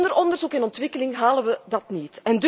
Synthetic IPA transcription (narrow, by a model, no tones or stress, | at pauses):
ndəɾɔndərzukɪnɔntʋɪkəlɪŋɦaːlənʋədɑtnitɛnd